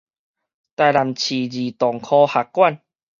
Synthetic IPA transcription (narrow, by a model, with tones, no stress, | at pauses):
t̪a˧jla˨˩mt͡ɕʰi˨˩d͡ʑi˨˩t̪ɔ˨˩ŋkʰɔ˧ha˨˩kːwa˥˨n